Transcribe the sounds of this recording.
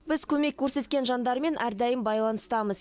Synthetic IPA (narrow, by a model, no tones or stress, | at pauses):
bɪz̥kʲʰɵme̞kkʲʰːɵɾse̞t̪kʲe̞nʒɑnd̪ɑɾme̞nʔæɾd̪æjɪmbɑjlˠɑnəst̪ɑməz